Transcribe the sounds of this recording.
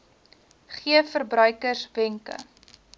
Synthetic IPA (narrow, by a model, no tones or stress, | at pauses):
χiəfərbrœɥkərsbɛŋkə̰